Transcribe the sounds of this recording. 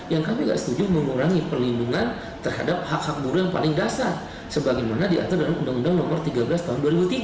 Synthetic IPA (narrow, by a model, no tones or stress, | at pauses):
jaŋkamiŋɡa̰ʔsə̥t̪ud͡ʒʊməŋuɾaŋipərlinduŋan | t̪ərha̰dap̚hak̚hak̚buɾujaŋpa̰lɪŋdasar | səbaɡajmanadia̰t̪ardalamundaŋundaŋnɔmɔrt̪iɡabəlast̪aɦʊnduaɾibut̪iɡ